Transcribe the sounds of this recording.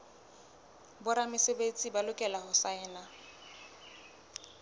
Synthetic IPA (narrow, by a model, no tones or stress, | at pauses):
bʊɾamɪsebet͡sʼibalʊkʼɛlahʊsaɛːna